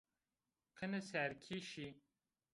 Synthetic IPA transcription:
qʰənəsæɾkʰiʃi

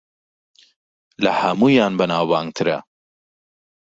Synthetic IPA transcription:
lɐhɐmuːjɑːnbɐnaːwbaːŋt̪ʰɨɾɐ̰

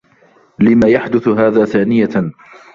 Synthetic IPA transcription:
lɪmaːjaħd̪ʊθɦaːðaːθaːnɪja

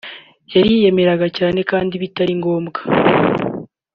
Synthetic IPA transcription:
jaɾije̞me̞ɾaɡacaːne̞kaːndiβitaɾiŋɡo̞ːmɡḁ

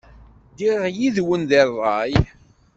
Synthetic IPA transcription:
d̪iʁjiðwənðərˤːɑj

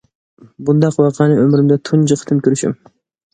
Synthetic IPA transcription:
bund̪ɑqwɑqʰɑnɨømɾɪmd̪ɛt̪ʰund͡ʒɨqʰt̪ʰɨmkʲʰøɾyʃy̰m

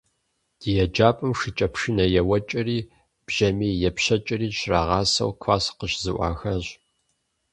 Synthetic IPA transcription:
d̥ɨjɛd͡ʒaːpʼɨmʂɨt͡ʃʼɐpʃɪnɐjɛwɐt͡ʃʼɪriː | b̥ʒɐmiːjɛpɕɐt͡ʃʼɪriːʃʰraːʁɑːsɐ̰wkʷʰaːsqəɕzɨʔʷɑ̰ːxɐɕ

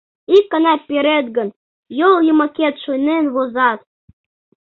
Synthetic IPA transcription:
ikːɑnɑpiɾet̪̚ɡə̆n | jolˠjumɑket̪ʃojnenβozɑt̪̚

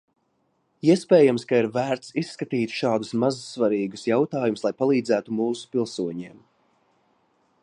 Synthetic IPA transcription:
iɛspɛːjamskaiɾvæːɾt̪sisːkat̪iːt̪ʃɑːd̪usmazsvaɾiːɡusjawt̪ɑːjumslˠajpalˠiːd̪zæːt̪umuːsu̥pilˠsuɔɲiɛm

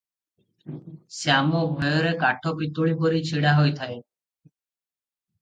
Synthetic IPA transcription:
seamɔbʱɔjɔɾekaʈʰɔpit̪uɭipɔɾit͡ʃʰiɽaɦojt̪ʰae

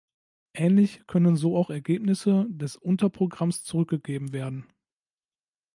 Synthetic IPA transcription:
ʔɛːnlɪçkʰœnənzoːaʊxɛɐɡeːpnɪsədɛsʔʊntɐpʁ̥oɡʁamst͡suʁʏk̚ɡ̥əɡeːbm̩veːɐdn̩

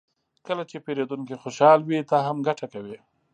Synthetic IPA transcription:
kəlat͡ʃepeɾed̪unkixoʃɑlwit̪ɑɦamɡaʈakawi

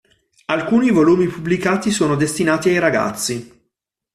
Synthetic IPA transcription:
alkuːnivoluːmipublikaːt̪isoːnod̪est̪inaːt̪iajɾaɡa̰t̪sːi

